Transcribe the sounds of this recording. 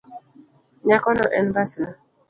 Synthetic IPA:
ɲakɔnɔʔɛnbasna

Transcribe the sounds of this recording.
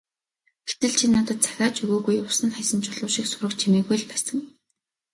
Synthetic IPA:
ɡe̥t̪ɘ̆ɮt͡ɕʰinːat̪ə̆t̪̚t͡sʰḁxʲaːt͡ɕʰɵɣoːɣujʊsə̆nχajsə̆nt͡ɕʰʊɮʊːʃiksʊɾə̆kt͡ɕʰimeːɣujɮpæsə̆ŋ

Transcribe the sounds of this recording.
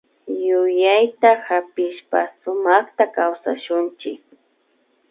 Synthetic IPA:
jʊjajt̪ahapɪʃpasʊmɑχt̪akawsa̰ʃʊnt͡ʃɪk̚

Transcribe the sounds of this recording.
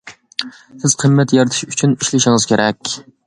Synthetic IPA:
sɪz̥qʰəmːɛt̪jɑɾɨt̪ʰɨ̥ʃyt͡ʃʰyniʃlɪʃɪŋɨzkʲʰeɾʔɛkʲ

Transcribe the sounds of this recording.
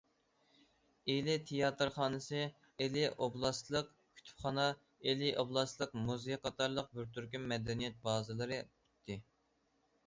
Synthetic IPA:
elɪt̪ʰejɑt̪ɨɾχɑːnɨsɨ | elɪoblˠɑst̪lˠəq | kʲʰy̥t̪ʰy̥pχɑnɑ | elɪʔoblˠɑslˠəqmuzɨqʰɑt̪ɑɾlˠəq̚byɾt̪yɾkʲymːɛd̪ɛnijɛt̪̚bɑːzɨlˠɨɾɨty̥t̪ʰːɪ

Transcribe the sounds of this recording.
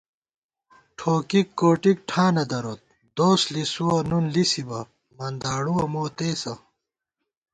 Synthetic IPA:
ʈʰoːkikːoːʈik̚ʈʰãːnɐd̪ɐɾot̪̚ | d̪oːslisuwɐnunlisibɐ | mɐnd̪aːɽuwɐmoːt̪eːsɐ

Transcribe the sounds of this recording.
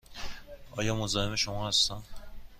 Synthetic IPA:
ɒːjɒːmozɒːheme̞ʃomɒːhæst̪æn

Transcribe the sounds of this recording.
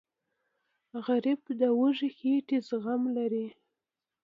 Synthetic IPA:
ɣaɾɪbd̪əwəʒixeʈizɣamlaɾi

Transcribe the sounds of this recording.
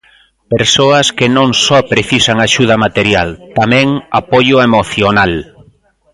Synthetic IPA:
peɾsoɐskenõŋsɔpɾeθisaŋaʃuð̞ɐmat̪eɾjalt̪amɛ̃ŋapoʎʊemoθjonal

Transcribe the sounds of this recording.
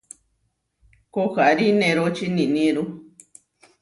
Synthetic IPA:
koxaɾinẽɾot͡ʃinĩnĩɾu

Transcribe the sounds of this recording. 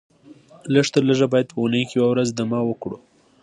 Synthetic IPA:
ləʐt̪əɾləʒabɑjad̪̚pəunəjkejwawɾazd̪amɑwəkɽu

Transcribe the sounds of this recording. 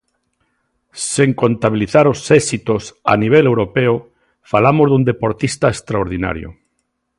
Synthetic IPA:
seŋkont̪aβiliθaɾosɛsit̪osa̰niβ̞elewɾopeo | falamozðund̪epoɾt̪ist̪aest̪ɾaoɾð̞ina̰ɾjo̰

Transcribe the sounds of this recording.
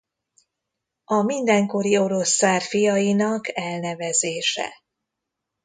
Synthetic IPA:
ɒmind̪ɛŋko̞ɾio̞ɾo̞sːaːrfijɒjinɒkɛlnɛvɛzeːʃɛ̰

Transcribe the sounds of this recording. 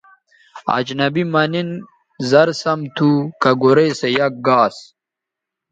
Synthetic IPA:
a̰d͡ʑnɐbimɐnin | zɐɾsɐmt̪ʰukɐɡoɾejsejɐk̚ɡaːs

